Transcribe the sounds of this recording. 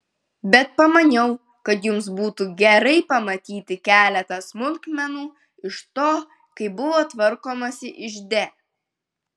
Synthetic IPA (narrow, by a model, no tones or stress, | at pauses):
bʲɛt̪̚pɐmɐnʲɛʊ | kɐt̪jʊmsbuːt̪uːɡʲɛɾɐɪpɐmɐt̪ʲiːt̪ʲɪkʲæːlʲɛt̪ɐsmʊlʲkmʲɛnuː | ɪʃt̪oː | kɐɪbʊʋoːt̪ʋɐɾkoːmɐsʲɪʔɪʒʲd̪ʲeː